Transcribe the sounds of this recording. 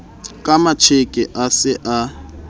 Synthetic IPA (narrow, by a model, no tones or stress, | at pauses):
kʼamat͡ʃʰekʼɪʔasɪʔa